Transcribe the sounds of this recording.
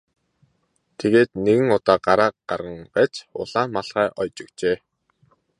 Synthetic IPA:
t̪ʰeɣeːt̪neɣɘ̆ŋʊt̪aːɢaɾaːqɢarʁə̆ŋɢæt͡ɕʊ̰ɮ̥aːnmaɮχæːʔɔjt͡ɕɵ̆kt͡ɕeː

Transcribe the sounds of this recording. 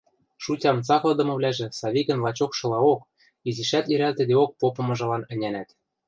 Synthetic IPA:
ʃutʲɑmt͡sɑklˠɤ̆d̪ɤ̆mɤ̆βlʲæʒĕsɑβikɘ̆nlɑt͡ɕokʃɤ̆lɑok | iziʃæt̪iɾælt̪ɘ̆d̪eok̚popɤ̆mɤ̆ʒɤ̆lɑnɘ̆nʲænæt̪

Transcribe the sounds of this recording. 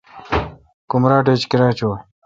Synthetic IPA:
kumɾaːʈ̬eːt͡ɕkiɾaːt͡ɕo

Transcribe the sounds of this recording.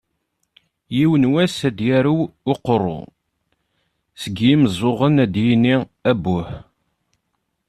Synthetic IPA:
jiwənwæsæd̪jæɾuwʊqːrˤːʊ̰ | səɡjiməzˤoʁənæd̪jiniæbːʊħ

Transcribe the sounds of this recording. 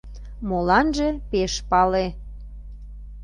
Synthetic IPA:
molɑnʒepeʃpɑle

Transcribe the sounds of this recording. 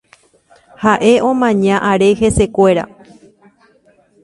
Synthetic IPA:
haʔe̞ʔõ̞mãɲãʔaɾe̞he̞se̞kʷe̞ɾa̰

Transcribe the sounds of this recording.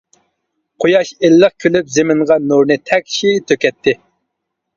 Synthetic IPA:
qʰojɑʃelːəq̚kʲʰølypzɪmɪŋʁɑnuɾnɨt̪ʰɛkʲʃit̪ʰøkʲɛt̪ʰːɪ

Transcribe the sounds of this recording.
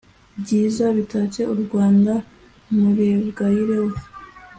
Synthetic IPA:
bɟiːzaβitat͡ʃe̞uɾɡwaːnda | muɾeβɡahiɾewu

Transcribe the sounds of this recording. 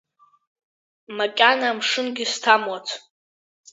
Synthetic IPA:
makʲʼanamʂɨnɡʲɪstʰamwat͡sʰ

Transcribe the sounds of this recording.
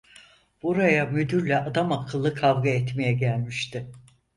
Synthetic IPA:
b̥uɾajamyd̪yɾlʲɛʔad̪amakʰɯlˠːɯkʰavɡaɛt̪mejɛɟælʲmiʃt̪ʰɪ

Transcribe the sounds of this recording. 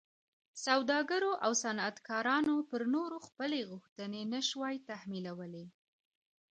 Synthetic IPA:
sawd̪ɑɡəɾoʔawsanat̪kɑɾɑnopəɾnoɾoxpəleɣʊxt̪ənenəʃwɑjt̪ahmilawəle

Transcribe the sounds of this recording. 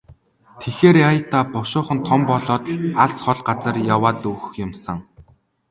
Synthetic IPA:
t̪ʰexeːɾajə̆t̪aːpɔʃʊːχə̆nt̪ʰɔmpɔɮɔːt̪̆ɮaɮsχɔɮɢat͡sə̆rjawaːt̪uxɵ̆xjʊmsə̆ŋ

